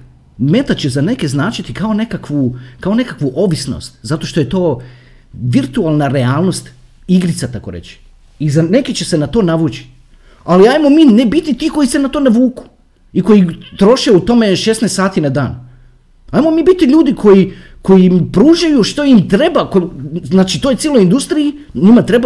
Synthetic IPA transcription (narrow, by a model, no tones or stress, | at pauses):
me̞t̪at͡ɕezane̞ke̞znaːt͡ʃit̪ikao̞ne̞kakʋukao̞ne̞kakʋuʔo̞ʋisno̰st̪zat̪oʃt̪o̞je̞t̪o̞ː | ʋiɾt̪ualˠnaɾeaːlno̞st̪ | iɡɾit̪sat̪ako̞ɾe̞̰t͡ɕi̥ | izane̞kit͡ɕese̞nat̪o̞ːnaʋut͡ʃi̥ | aliaːjmo̞miːne̞bit̪it̪iːko̞jise̞nat̪o̞ːnaʋuːku̥ | iko̞jit̪ɾo̞ʃeut̪o̞me̞ʃe̞snesaːt̪inad̪aːn | aːjmo̞miːbit̪iʎuːd̪ikʰo̞ji | ko̞jimpɾuːʒajuʃt̪o̞imt̪ɾe̞bakoznaːt͡ʃit̪ojesieloind̪ust̪ɾijiɲimat̪ɾe̞ba